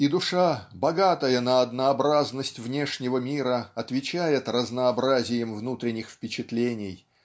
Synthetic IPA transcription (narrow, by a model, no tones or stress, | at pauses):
id̪ʊʂabɐɡat̪əjənəɐd̪nəɐbɾaznəsʲtʲvnʲe̞ʂnʲɪvəmʲiɾəɐt̪vʲɪt͡ɕæjɪt̪rəznəːbɾazʲɪjɪmvnut̪ɾʲɪnʲɪxfpʲɪt͡ɕɪt̪lʲenʲɪj